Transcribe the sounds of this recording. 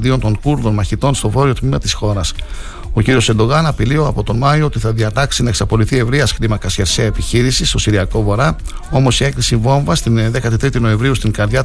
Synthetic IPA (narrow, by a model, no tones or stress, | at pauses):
d̪io̞nt̪o̞ŋkuɾðo̞nmɐçit̪o̞nst̪o̞vo̞ɾio̞t̪mimɐt̪isxo̞ɾɐs | o̞ciɾio̞sed̪o̞ɣɐnɐpilio̞ɐpo̞t̪o̞mɐioot̪iθɐðiɐt̪ɐksinɐe̞ksɐpo̞liθie̞vɾiɐsxɾimɐkɐsçe̞ɾseɐepiçiɾisist̪o̞siɾiɐko̞vo̞ɾɐ | o̞mo̞sie̞kɾisivo̞ɱvɐst̪inðe̞kɐt̪it̪ɾit̪ino̞e̞ɱvɾiust̪iŋɡɐɾðʝɐ